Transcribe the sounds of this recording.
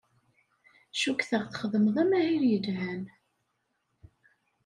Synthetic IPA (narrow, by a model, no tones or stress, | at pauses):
ʃukθəʁθχəðˤəmðˤæmæhiɾjəd͡ʒʕæn